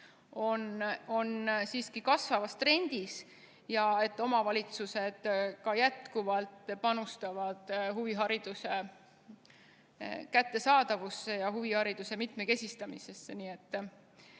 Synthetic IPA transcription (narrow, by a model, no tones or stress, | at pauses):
o̞no̞nsiːskikɑsvɑvɑst̪re̞nʲd̪̥is | jɑe̞t̪ːˑo̞mɑvɑlʲit̪suse̞d̪̥kɑjæt̪kuvɑlt̪ˑpɑnust̪ɑvɑd̪̥ɦuviɦɑɾid̪̥use̞ | kæt̪ːe̞sɑːd̪̥ɑvusːe̞jɑɦuvihɑɾid̪̥use̞mit̪me̞ke̞sʲist̪ɑmḭse̞sːeniːe̞t̪ː